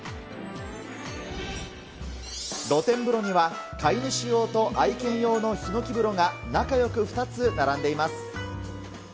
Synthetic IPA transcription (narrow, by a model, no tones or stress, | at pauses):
ɾo̞t̪ẽ̞mbɯ̟ɾo̞ɲ̟iβakaiɲiɕijo̞ːt̪o̞ʔaikẽ̞ɰ̃jo̞ːno̞çino̞kʲibɯ̟ɾo̞ɡanakajo̞kɯ̟ɸɯ̟̥t̪at͡sɨnaɾãnd̪e̞imasɨ̥